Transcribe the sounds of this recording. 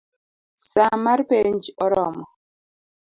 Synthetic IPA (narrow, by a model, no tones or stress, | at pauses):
samaɾpend͡ʒɔɾɔmɔ